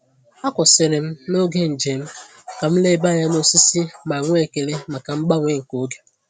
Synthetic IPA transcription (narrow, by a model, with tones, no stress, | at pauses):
a˦kʷʊ˨sɪ˨ɾɪ˨m̩˦no˦ɡe˦n̩˨d͡ʒe˨m̩˦ | ka˨m̩˦le˦ba˦˨ja˦no˦si˦si˦ma˨ŋʷ˦e˦˨ke˨le˦ma˨ka˨m̩˦ɡ͡ba˦ŋʷe˦ŋ̩˨ko˦ɡe˨